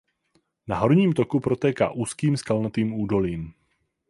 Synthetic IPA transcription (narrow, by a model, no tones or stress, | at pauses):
naɦo̞ɾɲiːmt̪okupɾo̞t̪ɛːka̰ːʔuːskiːmskalnat̪iːmuːdo̞liːm